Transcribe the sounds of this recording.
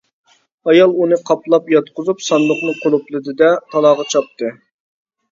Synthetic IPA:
ɑjɑlˠunɨqʰɑplˠɑpjɑt̪qʰʊzupsɑnlˠʊqnɨqʰolˠuplˠɨd̪ɨd̪ɛt̪ʰɑlˠɑːʁɑt͡ʃʰɑp̚t̪ʰɨ

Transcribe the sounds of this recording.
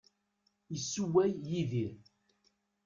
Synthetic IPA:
jəsːuwæjːiðiɾ

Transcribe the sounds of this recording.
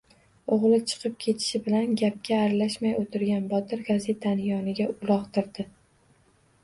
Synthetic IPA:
oʁlˠɪt͡ʃʰɨ̥qʰɨp̚kʲʰe̞t̪ʰɪ̥ʃɪbɪlanɡʲap̚kʲʰaːɾalaʃmajot̪ʰɪɾɡʲanbɒt̪ʰɪɾɡaze̞t̪ʰanjɒnɪɡʲaʊlˠɒqt̪ɪɾd̪ɪ

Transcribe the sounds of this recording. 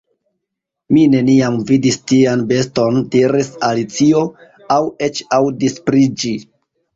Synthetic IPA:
mine̞niamvidistianbe̞sto̞ndiɾisalit͡sio̞ | awe̞t͡ʃawdispɾid͡ʒi

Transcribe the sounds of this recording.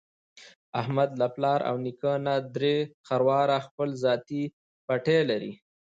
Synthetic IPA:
ahmad̪laplɑɾʔa̰wnikənad̪ɾexaɾwɑɾaxpəlzɑt̪i | paʈelaɾḭ

